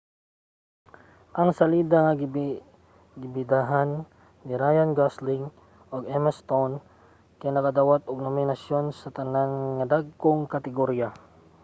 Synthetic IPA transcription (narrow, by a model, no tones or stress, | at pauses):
ʔɐŋsɐliːd̪aŋɐɡ | ɡɪbɪd̪aɦanː | iɾajanɡaslɪŋ | ʔoɡɛmɛst̪own | kajnɐkɐd̪awat̪̚oɡ̚nomɪnɐsjo̞nsɐt̪ɐnanŋɐd̪aɡ̚koŋkɐt̪ɪɡoɾja